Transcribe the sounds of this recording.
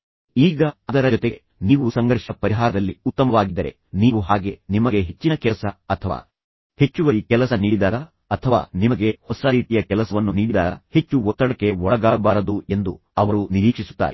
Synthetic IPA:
iːɡɐɐd̪ɐɾɐd͡ʒɔt̪eɡe | niːʋusɐŋɡɐɾʂɐpɐɾiɦaːɾɐd̪ɐlːiut̪ːɐmɐʋaːɡid̪ːɐɾe̞̰ | niːʋuɦaːɡe̞nimɐɡe̞ɦe̞t͡ʃːinɐkɛlɐsɐɐt̪ʰɐʋa̰ː | he̞t͡ʃːuʋɐɾikɛlɐsɐniːɽid̪aːɾɐ | ɐt̪ʰɐʋa̰ːnimɐɡe̞hɔsɐɾiːt̪ijɐkɛlɐsɐʋɐnːuniːɽid̪aːɐ̰he̞t͡ʃːuɔt̪ːɐɽɐkːe̞ɔɭɐɡaːbaːɾɐd̪ue̞nd̪u | ɐʋɐɾuniɾiːkʂisu̥t̪ːa̰ːɾe

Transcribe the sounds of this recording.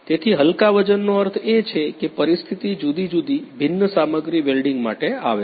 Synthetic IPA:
t̪et̪ʰiɦəlkaʋəd͡ʒənːoəɾt̪ʰet͡ʃʰekepəɾist̪ʰit̪id͡ʒud̪id͡ʒud̪ibʱɪnːəsaməɡɾiʋelɖiŋɡma̰ʈea̰ʋe

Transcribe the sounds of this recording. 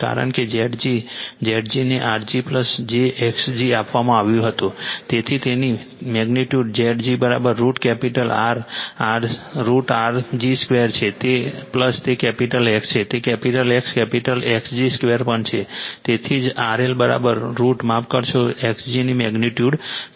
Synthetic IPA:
ka̰ɾə̰ɳked͡ʒeʈd͡ʒid͡ʒeʈd͡ʒineʔaɾd͡ʒipləsd͡ʒeʔɛksd͡ʒiapʋamãaʋjũɦət̪ũt̪et̪ʰit̪eni | mɛɡniʈjuɖd͡ʒeʈd͡ʒibəɾa̰bəɾːuʈkɛpiʈəla̰ɾaɾːuʈaɾd͡ʒiskʋeəɾt͡ʃʰet̪epləst̪ekɛpiʈəlekst͡ʃʰet̪ekɛpiʈəlekskɛpiʈəleksd͡ʒiskʋeɾpəɳt͡ʃʰet̪et̪ʰid͡ʒaɾelbəɾa̰bəɾːuʈmapkəɾʃʰoeksd͡ʒinimɛɡniʈjuɖ

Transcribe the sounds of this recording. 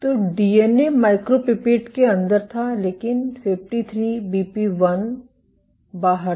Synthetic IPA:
t̪oːɖiːeːnemaːɪkɾopɪpeːʈkeɐ̃nd̪əɾt̪ʰaleːkɪnfɪʋʈit̪ʰɾiːbiːpiʋɐn | baːɦəɾ

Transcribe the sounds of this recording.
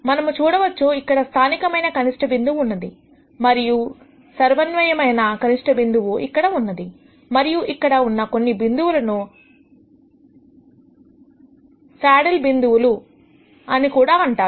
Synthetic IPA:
mɐnɐmut͡ʃuːɽɐʋɐt͡ʃːuikːɐɽɐst̪ʰaːnikɐmɐjnɐkɐniʂʈɐbind̪uʋunːɐd̪i | mɐɾiju | sɐɾʋɐnʋɐjɐmɐjnɐkɐniʂʈɐbind̪uʋuʔikːɐɽɐunːɐd̪i | mɐɾijuʔikːɐɽɐunːɐko̞nːibind̪uwulɐnu | saːɽɐlbind̪uʋulu | ɐnikuːɽaːɐɳʈaː

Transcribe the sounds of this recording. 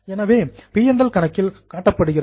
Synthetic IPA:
ɛnɐʋeːpijɐnd̪ɐlkɐɳɐkːɪlkaːʈːɐpːɐɽɯɣɪrɐ

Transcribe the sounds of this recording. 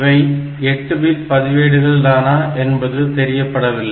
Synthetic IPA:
ʋɐɪ | ɛʈːɯbiːɾpɐðɪʋeːɽɯɣɐɭd̪aːnaːʔɛnbɐðɯt̪ɛɾɪjɐpːɐɽɐʋɪlːɐ

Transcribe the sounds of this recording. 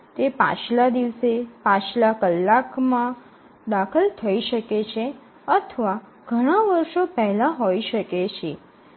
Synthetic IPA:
t̪epã̰t͡ʃlad̪iʋsepãt͡ʃlakəlːakmã | d̪akʰəlt̪ʰəiʃəket͡ʃʰe | ət̪ʰəʋa | ɡ̥ʱəɽ̃aʋəɾʃopɛɦlãɦoiʃəket͡ʃʰe

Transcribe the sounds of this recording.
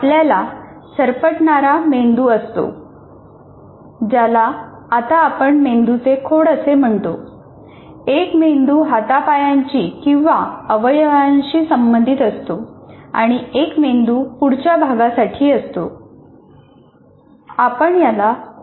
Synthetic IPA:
apljala | səɾpəʈɳaɾamend̪uːəst̪o̰ | d͡ʑalaː | t̪aːpəɳmend̪ut͡sekʰoɽəsem̤əɳt̪o | ekmend̪uːɦat̪apajaɲt͡ɕiːkĩw̃ʋaəʋəjʋaɲt͡ɕiːsəmbənd̪ʱit̪əst̪oa̰ɽ̃iekmend̪uːpuɽt͡ɕjabʱaɡasaʈʰiːəst̪o̰ | apəɳjala

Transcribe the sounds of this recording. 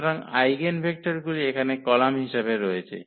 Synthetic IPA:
ɾaŋa̰jɡenbʱek̚ʈaɾɡuliekʰanekɔlamɦiʃabeɾoet͡ɕʰḛ

